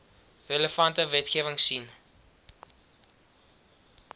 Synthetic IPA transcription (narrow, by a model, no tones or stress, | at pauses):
reləfɐntəvɛtχeːvəŋsin